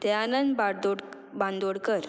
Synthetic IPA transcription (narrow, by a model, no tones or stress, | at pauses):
t̪ɛanənbaɽd̪oɽ | bãnd̪oɽkəɾ